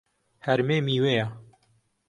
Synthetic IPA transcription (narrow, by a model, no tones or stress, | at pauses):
hæɾmeːmiːweːja